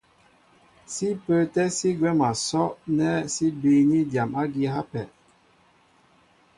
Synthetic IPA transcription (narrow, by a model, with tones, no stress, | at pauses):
si˦pə˦tɛ˦si˦ɡwɛ˦ma˨sɔ˦nɛ˦si˦bi˨ni˦da˨ma˦ɡi˦ɦa˦pɛ˨